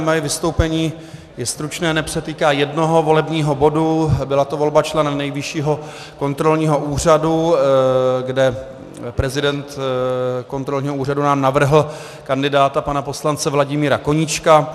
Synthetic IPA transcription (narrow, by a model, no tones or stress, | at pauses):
majɛvɪst̪o̞wpɛɲiː | jɛst̪ɾut͡ʃnɛːnɛpr̝̥ɛt̪iːkaːjɛdno̞ɦo̞vo̞lɛbɲiːɦo̞bo̞dubɪlat̪o̞vo̞lbat͡ʃlɛnɛmnɛjvɪʃiːɦo̞ | ko̞nt̪ɾo̞lɲiːɦo̞ʔuːr̝adu | ɡdɛ | pɾɛzɪdɛnt̪ | ko̞nt̪ɾo̞lɲiːɦouːradunaːmnavr̩ɦl̩ | kandɪdaːt̪apanapo̞slant͡sɛvlaɟɪmiːɾako̞ɲɪt͡ʃka